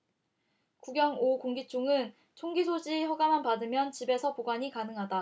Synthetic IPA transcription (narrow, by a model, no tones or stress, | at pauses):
kuɡjʌŋokoŋɡit͡ɕʰoŋɯn | t͡ɕʰoŋɡisʰod͡ʑiçʌɡamanpadɯmjʌnt͡ɕibe̞sʰʌpoɡwaɲikanɯŋɦada